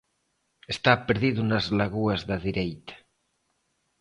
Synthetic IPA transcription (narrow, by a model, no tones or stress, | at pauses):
est̪apeɾðiðuunazlaɣuɐzðaðiɾejt̪ḁ